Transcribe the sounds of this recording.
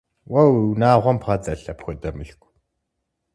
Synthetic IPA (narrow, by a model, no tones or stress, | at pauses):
wɐwwnaːʁʷɔmpʰʁɐt͡sʼɐɬɐpxʷɔtʼɐmɨɬkʷʰʼ